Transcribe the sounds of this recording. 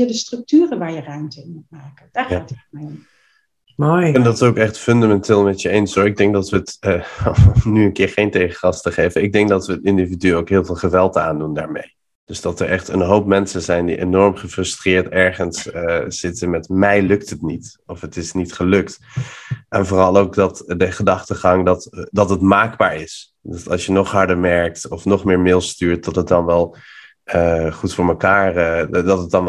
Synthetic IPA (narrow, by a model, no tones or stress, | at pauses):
jədəstrɵk̚tyːrəʋaːɹjərœɥmtəɪnmut̚maːkənd̥aːɹatmɛjɔm | mojndɑtsowkɛχtfʏndamɛntʰeːlˠmɛtjəejnsoːɪɡ̚dɛŋk̚dɑtʋəːtː | nyənkɪːɹχejntejχəχɑstəχejvənɪɡ̚dɛŋk̚dɑtʋəətɪndividyowkɦɪːlˠvɪːlˠχəʋɛlˠta̰ːndundaːɹmḛj | d̥ɵzd̥ɑtəɹʔɛχtənɦowpmɛnsənzɛjndḭʔḛnɔɹmχəfrɵstrɪːɹtɛɹχənsə̥ɪtənmɛtmɛjlɵk̚tətnit | ɔfətɪsnitχəlɵkt | ʔɛnvʊːrɑlˠowk̚dɑtdəχədɑχtəχɑŋdɑtdɑtətmaːɡbaːɹɪs | dɑtɑ̰lˠsjənɔχɦɑɹdəɹmɛɹk̚tɔfnɔχmɪːɹmɪːlˠstyːɹt̚dɑtɦət̚dɑnʋɛlˠ | əχutfʊːɹməkaːɹədɑtɦət̚dɑn